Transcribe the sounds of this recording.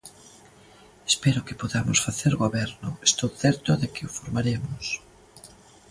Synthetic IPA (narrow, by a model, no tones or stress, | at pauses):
espɛɾʊkɪpoðamʊsfaθeɾɣoβɛɾnʊest̪owθɛɾt̪ʊðekɪʊfoɾmaɾemʊs